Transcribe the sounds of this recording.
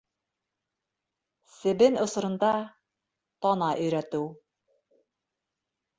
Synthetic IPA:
sɘ̆bɘnŏs̆ɾɤ̆nd̪ɑ | t̪ɑnɑʔɵ̆jɾæt̪ɘw

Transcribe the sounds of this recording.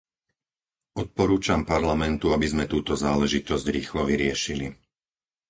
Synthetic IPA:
ɔt̪̚pɔɾuːt͡ʃampaɾlamɛnt̪uabizmɛt̪uːt̪ɔzaːlɛʒit̪ɔzɟɾiːxlɔʋiɾɪɛʃili

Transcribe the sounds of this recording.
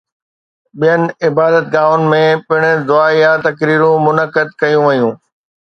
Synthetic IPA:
ɓijənɪ̆ɪbaːd̪ət̪̚ɡaːʊnɪ̆mẽpɪɽ̃d̪ʊaːijat̪ɐkɾiːɾũmʊnəkəd̪̚kɐjũʋɐjũː

